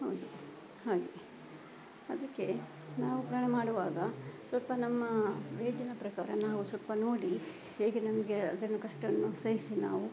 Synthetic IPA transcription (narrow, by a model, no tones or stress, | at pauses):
ɦɐwd̪u | haːɡe | ɐd̪ɐkːe̞ | naːʋupɾɐɳɐmaːɽuʋaːɡɐsʋɐlpɐnɐmːɐʋeːd͡ʒɐnɐpɾɐkaːɾɐnaːʋusɐlpɐno̞ːɽi | heːɡenɐmɐɡe̞ɐd̪ɐnːukɐʂʈɐnːusɐjisina̰ːʋu